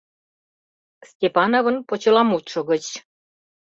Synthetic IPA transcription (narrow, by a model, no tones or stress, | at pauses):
stʲepɑnoβə̆npot͡ɕɤlɑmut̪ʃə̆ɣə̆t͡ɕ